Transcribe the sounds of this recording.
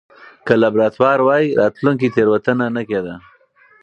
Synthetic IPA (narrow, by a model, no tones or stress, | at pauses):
kəlabɾɑt̪wɑɾwɑjiɾɑt̪luŋk̬it̪eɾwat̪ənanaked̪a